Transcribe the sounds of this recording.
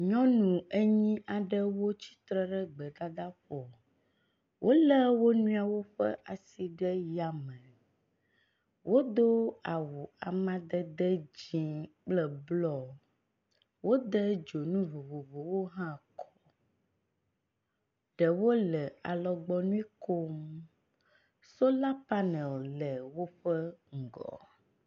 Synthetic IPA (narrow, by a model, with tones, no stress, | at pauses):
ɲɔ̃˦nũ˨e˦ɲĩ˦ʔa˨ɖə˦wo˦t͡ɕi̥˦t̪ɾɛ˦ɖə˦ɡ͡bə˨d̪a˦d̪a˦ɸɔ˨ | wʔo˦lə˦wo˦nũ˦a˨wo˦ɸə̰˦ʔa˨si˦ɖə˦ja˨mə̃˨ | wʔo˦d̪o˦a˨wo˨a˨mã˦d̪ə˦d̪ə˦d͡ʑĩ˨k͡plə˨blɔ˦ | wo˦d̪ə˦d͡ʒo˨nũ˦vo˨vo˨vo˨wo˦ɦã˦kʰɔ̥˨ | ɖɛ˨wo˦lɛ˨a̰˨lɔ˨ɡ͡bɔ˦nũ˦i˦ko˦m | so˦la˦pa˦nɛ̃˨llɛ˨wo˦ɸə˦ŋ̩˨ɡɔ̰˨